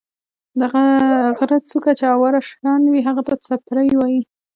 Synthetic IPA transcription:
d̪aɣaɣɾat͡sukat͡ʃeawaɾaʂɾɑnwiɦaɣat̪at͡sapɾəjwɑji

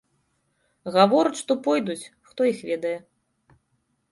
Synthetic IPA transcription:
ɣavɔɾut͡sʲʂt̪ɔpɔjd̪ut͡sʲ | xt̪ɔixvʲɛd̪ɐjɛ

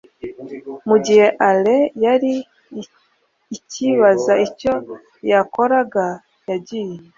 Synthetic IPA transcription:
muɟiheʔalejaɾi | ciβazaico | jakoɾaɡa | jaɟije

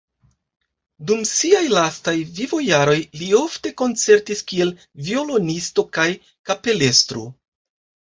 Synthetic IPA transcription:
dumsiajlastajvivo̞jaɾo̞jlio̞fte̞ko̞nt͡se̞ɾtiskie̞l | vio̞lo̞nisto̞kaj | kape̞le̞stɾu

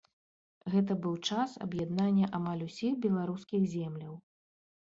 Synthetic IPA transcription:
ɣɛt̪̬ɐbɨwt͡ʂasɐ̰bjad̪nanʲːɐʔamalʲusʲixbʲɛlˠaɾuskʲiɣzʲɛmlʲɐw

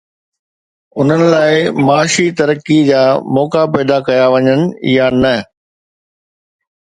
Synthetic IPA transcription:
ʊn̤ənɪ̆laːɪmaːʃit̪ɐɾəkid͡ʑaːmɔːkapɛːd̪akɐjaʋɐɲənɪ̆ɪ̰janɐ

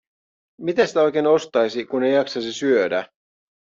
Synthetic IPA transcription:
mit̪eæsit̪æo̞jk̟eːno̞st̪ɑjsikunejɑksɑsisyødæ̰

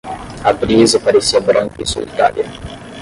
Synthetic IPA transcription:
abɾiezəpaɾesːiabɾɔŋkisṵḭt̪a̰ːlja

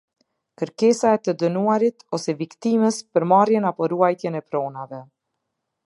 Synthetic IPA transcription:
kəɾkɛsaɛt̪əd̪ənuaɾit̪ɔsɛvikt̪iməspəɾmarjɛnapɔɾuajt̪jɛnɛpɾɔnavɛ

